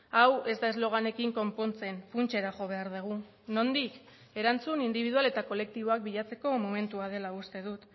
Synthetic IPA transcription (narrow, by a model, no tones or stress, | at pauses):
awe̞zd̪ae̞zlo̞ɣ̞ane̞kiŋko̞mpo̞nt͡se̞nfunt͡ʃe̞ɾaʝo̞βe̞aɾðeɣ̞u | no̞nd̪ik | e̞ɾant͡sunind̪iβiðuale̞t̪ako̞le̞k̚t̪iβ̞o̞ak̚biʎat͡se̞ko̞mome̞nt̪uað̞e̞laust̪e̞ðut̪